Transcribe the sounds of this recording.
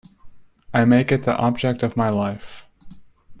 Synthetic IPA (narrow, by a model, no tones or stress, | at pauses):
aɪmeɪkɨt̪̚ðḭʔɑb̚d͡ʒɛk̚tʌvmaɪlaɪf